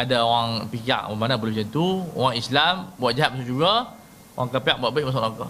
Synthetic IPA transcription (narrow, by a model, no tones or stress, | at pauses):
adaoɣaŋpika̰ʔmamanabəlud͡ʒənt̪uo̰ɣaŋislambuat̪̚d͡ʒaɦat̪p̚mas̬ud͡ʒuɡa | oɣaŋkapiaʔ̚buat̪̚beʔ̚masʔakɔ